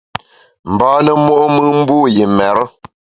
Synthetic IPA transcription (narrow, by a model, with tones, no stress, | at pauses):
m̩˨bɔː˦nə˨mo˦ʔo˦mɨ˦ŋm̩˦buː˦˨je˨mɛ˨ɾə˦